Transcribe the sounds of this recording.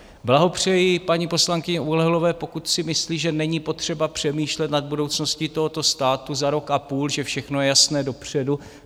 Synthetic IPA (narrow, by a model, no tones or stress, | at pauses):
blaɦo̞pr̝̥ɛjɪpaɲipo̞slaŋkɪɲɛʔulɛɦlovɛːpo̞kut̪sɪmɪsliːʒɛnɛɲipo̞t̪r̝̥ɛbapr̝̥ɛmiːʃlɛt̪nad̪̚budo̞wt͡snoscɪt̪oɦo̞t̪o̞st̪aːt̪uzaɾo̞kapuːlʒɛfʃɛxnojɛjasnɛːdo̞pr̝̥ɛdu